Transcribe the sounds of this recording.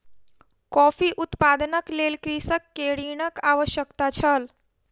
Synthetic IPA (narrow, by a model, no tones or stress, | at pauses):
kɔfiʔʊt̪pad̪ənəklelkɾisəkːeɽiɳəkaʋəʃjəkt̪at͡ʃʰəl